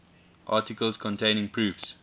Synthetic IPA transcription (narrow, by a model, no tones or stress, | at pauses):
ʔɑˑtɪkəlskʰɔ̃ntʰẽɪ̃ñɪ̃ŋpʰɹʉːfs